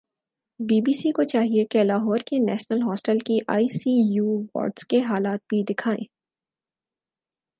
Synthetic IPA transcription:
biːbiːsikot͡ʃaːɦiekelaːɦɔːɾkenɛːʃnəlɦɔːsʈəlkiʔa̰ːiːsiːjuːʋɔ̰ːɾɖskeɦaːlaːt̪̚bʱid̪ɪkʰaːḛ̃ː

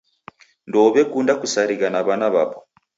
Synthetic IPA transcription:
ndɔβɛkundakusaɾiɣanaβanaβapɔ

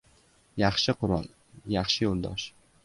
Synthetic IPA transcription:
jɑχʃɪqʊɾɒ̰lˠ | jɑχʃɪjolˠd̪ɒ̰ʃ

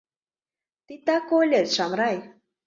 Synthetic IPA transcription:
t̪it̪akolʲet̪ʃamɾaj

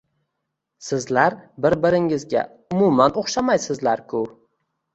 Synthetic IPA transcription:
sɪzlaɾbɪɾbɪɾɪŋɪzɡʲa̰ | ʊmumanoχʃamajsɪzlaɾkʰʊ

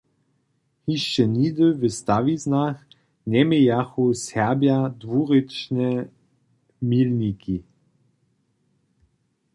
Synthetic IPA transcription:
hiʃənʲid̪əvəst̪aviznax | nʲɛmejaxusɛʁbjad̪vuʁɪt͡ʃnɛ | milnʲiki

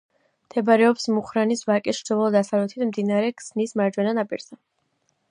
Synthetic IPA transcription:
md̪ʰɛbaɾɛɔpsmuχɾanisvakʼɛʃd͡ʒ̪ɔvɔlˠd̪asavlɛt̪ʰit̪ʰmd̪inaɾɛkʰʼsnismaɾd͡ʒwɛnanapʼḭɾza

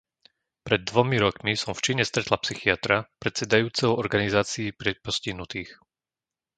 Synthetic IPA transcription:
pɾɛd̪ːʋɔmiɾɔkmisɔmft͡ʃiɲɛst̪ɾɛt̪lapsixiat̪ɾapɾɛt̪sɛd̪ajuːt͡sɛʊɔɾɡanizaːt͡siːpɾɛpɔsciɦnut̪iːx

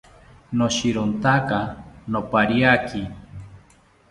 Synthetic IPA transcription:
noʃiɾont̪akanopaɾiaki

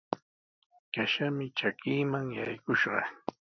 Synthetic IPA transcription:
kaʃamɪt͡ʃakiːmaŋja̰jkʊʃɢɑ

